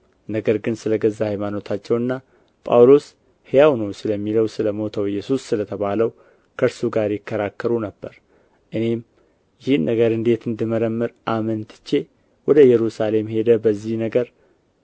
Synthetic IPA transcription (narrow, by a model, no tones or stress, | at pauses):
nəɡəɾɡɨnsɨləɡəzːahjmano̞t̪ʰat͡ʃːɛwɨnːa | pʼa̰wlo̞s | hɪjawnəwsɨləmːiləwsɨləmo̞t̪ʰəwjːɛsusːɨlət̪ʰəβaləw | kʰəɾsuɡaɾjɪkʰːəɾakːəɾunəbːəɾ | ʔɨne̞m | jɪhɨnːəɡəɾɨnd̪e̞t̪ɨnd̪ɨməɾəmːɨɾʔamənt̪ʰɨ̥t͡ʃːe̞ | wɔd̪əjɛɾusale̞mhe̞d̪əbəzːihnəɡəɾ